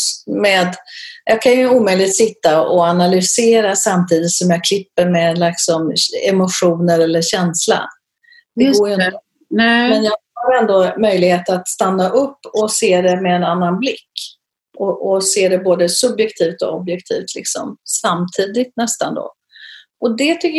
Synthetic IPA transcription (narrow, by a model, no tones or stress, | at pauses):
meːd̪jɑːkʰanjɵuːmœjlɪɡ̚t̪sɪt̪ːaʔɔanalʏseːɾasamt̪ʰiːd̪ɪt̪sɔmjɑːkʰlɪpːəɾmeːd̪lɪksɔmɛmʊʂuːnəɾɛlːəɕɛnsla̰ | d̪ɛɡoːɾjɵn | mɛnjɑːhaɾɛnd̪omœjlɪɡheːt̪at̪st̪anːaʔɵpːɔseːd̪ɛmɛːnanːanblɪkː | ʔɔʔɔseːd̪ɛboːd̪əsɵbjɛkt̪ʰiːft̪ɔ̰ɔbjɛkt̪ʰḭːft̪ʰlɪ̰ksɔ̰msamt̪ʰiːd̪ɪt̪nɛst̪and̪o̰ː | ɔd̪ɛt̪ʰʏkːə